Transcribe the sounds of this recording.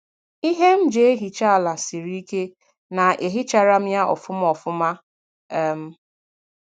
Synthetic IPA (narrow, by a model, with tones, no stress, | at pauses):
i˦ɦe˦m̩˦d͡ʒe˨e˦ɦi˨t͡ʃa˦˨la˨si˨ɾi˦i˦ke˦ | na˨e˨ɦi˦t͡ʃa˦˨ɾa˦m̩˦ja˦ʔɔ̰˨fʊ˦m̩˦ɔ˨fʊ˦ma˦ | ɛ˦m̩˦